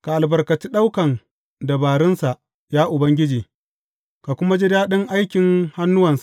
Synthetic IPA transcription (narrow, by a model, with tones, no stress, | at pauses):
ka˨ʔa˨lbɐ˨rkɐ˨t͡ʃi˦ɗa˦wkɐ˨n | da˨baː˨ɾɪ˦nsa˨ʔ | jaː˦ʔʊ˨bɐ˦ŋɡʲɪ˦d͡ʒiː˨ | ka˨kʷʊ˦ma˦d͡ʒi˦daː˦ɗɪ˦ŋʔa˦jkʲɪ˨ŋha˦nːʊ˦wɐ˨nsa˨ʔ